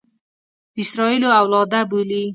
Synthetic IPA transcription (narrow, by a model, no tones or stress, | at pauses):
ɪsɾɔiloawlɑd̪abuli